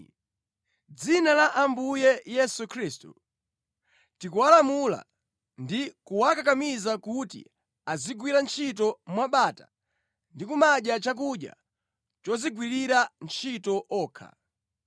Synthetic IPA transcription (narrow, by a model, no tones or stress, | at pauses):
d͡zinalaʔambujɛjɛsukʰɾistṵ | tikuwalamula̰ | ndikuwakakamizakutḭ | aziɡwiɾant͡ʃʰit̬ɔmwaɓaːta̰ | ndikumaɗjat͡ʃak̬uɗja̰ | t͡ʃɔziɡwiɾiɾant͡ʃʰitɔʔɔːkʰa̰